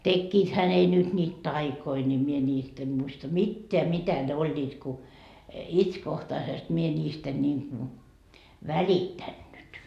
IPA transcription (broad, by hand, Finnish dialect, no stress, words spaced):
tekːiːthæ ne nyt nʲiːt tɑikoi nʲi mie nʲiːst em muistɑ mitːeæ mitæ ne olʲːiːt ku itskohtɑisest mie nʲiːst en niːŋ ku ʋælitːænːyt